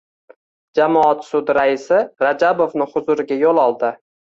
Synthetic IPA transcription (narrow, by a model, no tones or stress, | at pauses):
d͡ʒamɒɒt̪sʊd̪ɾaɪsɪɾad͡ʒabofnɪhʊzʊɾɪɡʲajolˠɒlˠd̪ɪ